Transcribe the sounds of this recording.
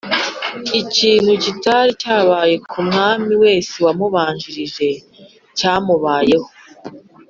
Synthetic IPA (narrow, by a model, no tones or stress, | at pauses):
iciːn̥hucitaɾicaːβaːje̞kʰumŋaːmiwe̞ːsewamuβaːɲʒiɾiʒe̞ | caːmuβaːje̞ho